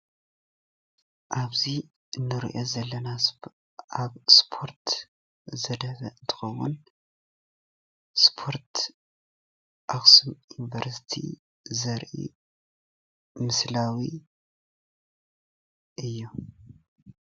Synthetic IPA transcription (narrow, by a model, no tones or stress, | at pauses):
ʔaβzi | ʔɨnːɨɾḭʔo̞zɐlːɐna | aβspʰo̞ɾt̪ | zɐd̪ɐβɐɨnt̪ʰɨ̥xɐwṵn | spʰo̞ɾt̪ | ʔaksumjunivɐɾsi̥t̪ʰḭ | zɐɾʔḭ | mɨslawi | ʔɨjːu